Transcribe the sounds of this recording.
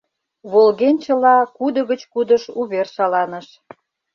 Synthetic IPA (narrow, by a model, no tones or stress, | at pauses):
βolɣenʲt͡ɕə̆lɑkud̪əɣət͡ɕkud̪ə̆ʃuβerʃɑlɑnəʃ